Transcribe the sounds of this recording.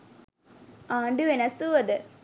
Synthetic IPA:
aːɳɖɨʋenɐsuʋɐðɨ

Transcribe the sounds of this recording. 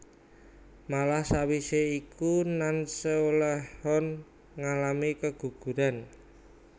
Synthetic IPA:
malahsawiseikunansəolɛhɔn | ŋalamikəɡ̥ṳɡ̥ṳɾan

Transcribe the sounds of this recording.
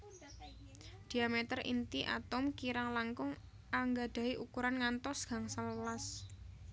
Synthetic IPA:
d̪̥i̤amet̪ərḭnt̪iʔa̰t̪ʊmkiɾaŋlaŋkʊŋ | ʔaŋɡad̪̥a̤iʔukuɾanŋant̪ɔsɡ̥a̤ŋsaləlas

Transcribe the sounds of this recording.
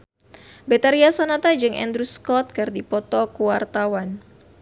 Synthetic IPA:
bɛt̪aɾiasonat̪ad͡ʒɨŋʔɛ̰nd̪ɾuskɔt̪̚kɨrdipɔt̪ɔkuwart̪awan

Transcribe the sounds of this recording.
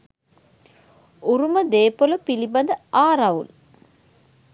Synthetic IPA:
uɾumɐd̪eːpolɐpilibɐnd̪ɐaːɾɐʋṵl

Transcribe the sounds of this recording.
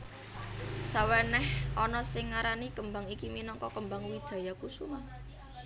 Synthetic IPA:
sawɛnɛhɔnɔsɪŋːaɾanikəmbaŋikiminɔŋkɔkəmba̤ŋwid̥ʒ̥a̤jakusuŋa

